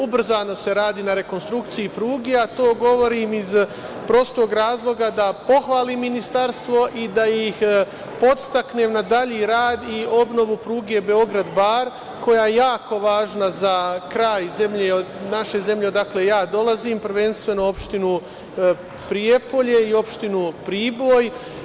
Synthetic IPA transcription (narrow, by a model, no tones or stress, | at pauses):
ubr̩zaːno̞se̞ɾaːd̪iːnaɾe̞ko̞nst̪ɾukt̪siipɾuːɡeat̪o̞ːɡo̞ʋo̞ɾiːmiz | pɾo̞st̪o̞ːɡɾaːzlˠo̞ɡad̪apo̞xʋaːliːmːinist̪aɾst̪ʋo̞ʔid̪ajix | po̞t̪st̪aknemnad̪aʎiːɾaːd̪io̞bno̞ʋupɾuːɡe̞be̞oɡɾad̪baɾ | ko̞jaːjejaːko̞ʋaːʒnazakɾaːjze̞mʎenaʃe̞ze̞mʎeod̪akle̞jaːd̪o̞laziːmpɾ̩ʋe̞nst̪ʋe̞no̞o̞pʃt̪inu | pɾiepo̞ʎe̞io̞pʃt̪inupɾiːboːj